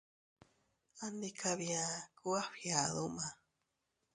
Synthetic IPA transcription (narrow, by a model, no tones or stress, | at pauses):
andikʰaβjakuaɸjaðuma